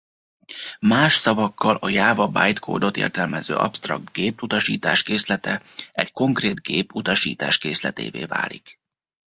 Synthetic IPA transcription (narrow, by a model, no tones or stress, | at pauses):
maːʃsɒvɒkːɒlɒjaːvɒbaːjt̪kʰoːd̪o̞t̪ḛːrt̪ɛlmɛzø̰ːʔɒ̰pst̪rɒ̰ɡ̚t̪ɡeːput̪ɒʃiːt̪aːʃkeːslɛt̪ɛɛcko̞ŋkreːd̪ɡeːput̪ɒʃiːt̪aːʃkeːslɛt̪ḛːvḛːva̰ːlik